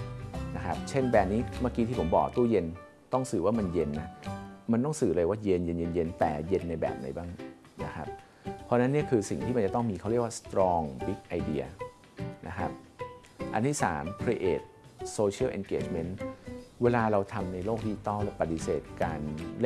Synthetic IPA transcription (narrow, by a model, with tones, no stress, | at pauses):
na˦˥kʰa˦˥p̚t͡ɕʰe˥˩nbɛː˨˩p̚niː˦˥maː˥˩ki˧iː˥˩po˩˦mbɔ̰ː˨˩k̚t̪u˥˩je˧n | t̪ɔ˥˩ŋsɯː˨˩waː˥˩ma˧nje˧nːa˦˥ma˧nt̪ɔ˥˩ŋsɯː˨˩lɤː˧waː˥˩je˧nje˧nje˧nje˧nt̪ɛː˨˩je˧nːa˧jbɛ̰ː˨˩p̚na̰˨˩˦jbaː˥˩ŋ | na˦˥kʰa˦˥p̚ʰː | ɔ˦˥˧na˦˥nːi˥˩əkʰɯː˧si˨˩ŋt̪ʰiː˥˩ma˧t͡ɕa˨˩t̪ɔ˥˩ŋmiː˧kʰa˥˩wɾi˥˩əkwaː˥˩st̪ɾɔː˧ŋbi˦˥k̚ʔa˧jdḭ˧ɐ | nʔa̰˦˥kʰa˦˥p̚ | ʔa˧nt̪ʰiː˥˩sa̰ː˩˦mkʰɾi˧ʔeː˨˩t̪̚soː˧t͡ɕʰi˥ə˨ʔe˧nkeː˨˩t͡ɕme˦˥nweː˧laː˧ɾa˧wt̪ʰa˧mna˧jloː˥˩k̚diː˧˩t̪ɔ˥˩lɛ˦˥˩pa˧t̪̚i˨˧˩sḛː˨˩t̪̚kaː˧nl